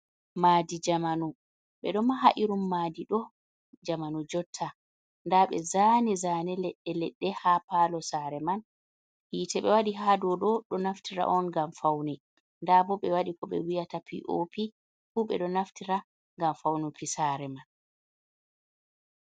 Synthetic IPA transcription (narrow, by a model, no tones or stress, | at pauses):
maːdid͡ʒamanu | ɓɛɗɔmaɦaʔiɾumːaːdiɗɔ | d͡ʒamanud͡ʒɔtʰːa | ndaɓɛ̰zaːnɛzaːnɛlɛɗːɛlɛɗːɛhapalɔsaɾɛman | hiːtɛɓɛwaɗiɦadɔɗɔɗɔnaftʰiɾa̰ʔɔnɡamfawnɛ | ndabɔɓɛwaɗikɔɓɛ̰wijatapʰḭʔopi | fuɓɛɗɔnaftiɾa | ŋɡamfawnupʰisaɾɛman